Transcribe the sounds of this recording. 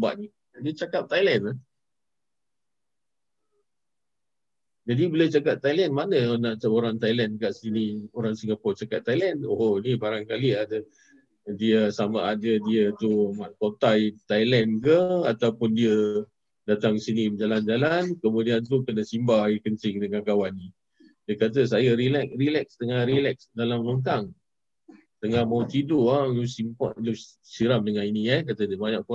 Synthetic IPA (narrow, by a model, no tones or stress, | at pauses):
ba̰ʔni | diət͡ʃakap̚t̪ajlɛnla | d͡ʒadibəlɛt͡ʃakap̚t̪ajlɛnmanənaʔoɾaŋt̪ajlɛnkaʔsinioɾaŋsəŋɡapɔt͡ʃakatt̪ːajlɛnoonibaɾaŋkaliadə | diəsamaʔadədiət̪umaʔkot̪ajt̪ajlɛnkəat̪awpʊndiə | dat̪aŋsinid͡ʒaland͡ʒalankəmudiant̪ukənəsimbaikəntɪŋdəŋankawanːi | diəkat̪̬əs̬ajəɾilɛkɾilɛksd̪əŋaɾilɛksdalamloŋt̪aŋ | t̪əŋahmaut̪iduʔalusimpɔ̰ʔlu | siɾamdəŋãniniakat̪ədiəbaɲaʔpu